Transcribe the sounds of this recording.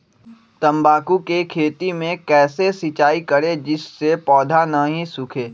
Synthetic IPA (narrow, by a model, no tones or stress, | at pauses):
t̪ɐ̃mbaːkukekʰeːt̪imẽkɛːsesɪt͡ʃaːikəɾed͡ʒɪsːepɔːd̪ʱanaɦĩsʊkʰeː